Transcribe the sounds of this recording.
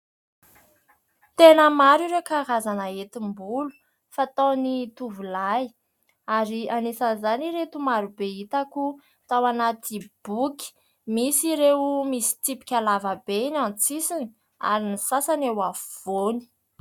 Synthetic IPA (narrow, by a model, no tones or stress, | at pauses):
t̪enəmaɾiɾekaɾazanaet̪imbulu̥ | fat̪onit̪uvulaj | aɾianisanzaniɾet̪umaɾubeit̪aku | t̪awanat̪ib̥ukʲi̥ | misiɾewmisi̥t̪ipi̥kʲalavəbeinant͡sisini̥ | a̰ɾinisasanewavuv̥oni̥